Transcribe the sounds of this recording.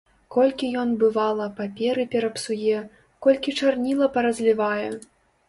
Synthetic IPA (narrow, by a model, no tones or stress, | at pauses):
kɔlʲkʲijɔnbɨvalˠɐpapʲɛɾɨpʲɛɾɐpsujɛ | kɔlʲkʲit͡ʂarnʲilˠɐpɐɾɐzʲlʲivajɛ